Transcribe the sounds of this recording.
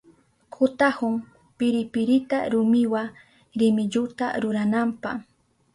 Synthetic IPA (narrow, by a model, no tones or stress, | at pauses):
kʰʊt̪ahʊŋ | pɪɾɪpɪɾɪt̪aɾʊmɪwa | ɾɪmɪʎʊt̪a̰ɾʊɾanampɑχ